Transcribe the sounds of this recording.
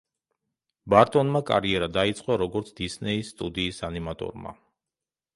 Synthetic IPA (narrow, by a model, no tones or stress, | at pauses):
baɾt̪ʼɔnmakʼa̰ɾiɛɾad̪ait̪sʼqʼwɔɾɔɡɔɾt̪sʰd̪̥isnɛisːt̪ʼud̪iːsanimat̪ʼɔ̰ɾma̰